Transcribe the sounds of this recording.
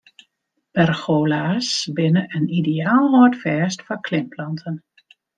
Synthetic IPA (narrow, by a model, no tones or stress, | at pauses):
b̥ɛrxoːlasbɪnəʔənideaːlˠhotfɛːstfɔkʰlɪmpʰlɑntʰən